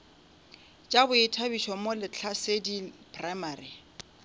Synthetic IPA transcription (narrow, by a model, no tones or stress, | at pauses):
t͡ʃʼabʊɪtʰabiʃɔmolɪt͡ɬʰasedipʰʼramaːri